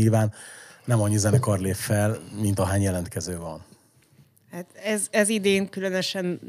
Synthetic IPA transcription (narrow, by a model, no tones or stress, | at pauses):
ilvaːnːɛmɒɲːizɛnɛkɒrleːffɛlmint̪ɒɦaːɲjɛlɛnt̪kɛzøːvɒn | hat̪ɛzɛzid̪eːŋkylønøʃɛn